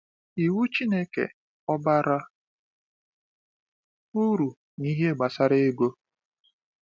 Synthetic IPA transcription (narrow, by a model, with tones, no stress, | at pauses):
i˨wu˦t͡ʃi˦ne˦kḛ˨ | ɔ˦ba˦ɾa˦ | u˦ɾu˨ | ni˦ɦe˦˨ɡ͡ba˨sa˦ɾe˦ɡo˦